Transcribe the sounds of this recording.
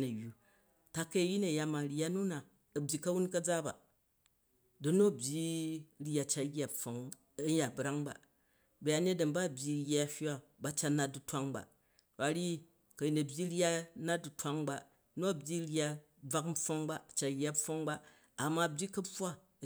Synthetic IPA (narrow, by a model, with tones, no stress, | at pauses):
nɐ˨ju˨ | ta˧kɐ˦ji˦nɐ˨ja˦ma˨ɾa˦nu˦na˨ | ɐ˨bʲji˨kɐ˦wu˦nkɐ˦d͡za˦ba̰˨ | dɐ˦no˦ɐ˨bʲji˦ɾa˨t͡ʃa˦ɡʲa˨fo˨ŋ | ɐ˦ja˨bɾa˦ŋba̰˨ | bɐ˨ja˨ne˦dɐ˨nba˦˨bʲji˨jʲa˦˨hʲa˦ba˦t͡ʃa˦na˨du˨tʷa˦ŋba̰˨ | a˨ɾi˦ | kɐ˨ji˨nɐ˨bʲji˦ɾa˦na˦du˨tʷa˦ŋba˨ | no˦ɐ˨bʲji˦ɾa˦ | b͡va˦km̩˦ɸo˦ŋba˦˨t͡ʃa˨jʲa˦fo˦ŋbaː˦˨ | mːa˨ɐ˨bʲi˦kɐ˦ɸʷa˦˨